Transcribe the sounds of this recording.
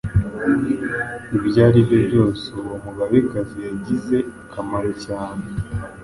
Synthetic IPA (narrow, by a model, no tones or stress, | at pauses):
ibjaːɾiβjobɟo̞ːsoomuɡaβikaziaɟize̞ | kʰamaɾocaːne